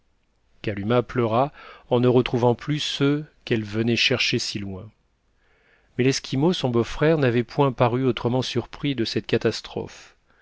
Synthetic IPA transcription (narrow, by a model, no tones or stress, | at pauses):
kalymaplœʁaɑ̃nəʁət̪χuvɑ̃plysøkɛlvənɛʃɛʁʃesilwɛ̃ | mɛlɛskʲʰimosɔ̃bofχɛʁnavɛpwɛ̃paʁyot̪χəmɑ̃syʁpχid̪əsɛt̪kat̪ast̪χɔ̰f